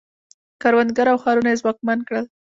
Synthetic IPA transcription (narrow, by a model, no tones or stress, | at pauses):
kɑɾwand̪̚ɡaɾawxɑɾunajezwɑk̚mankɽəl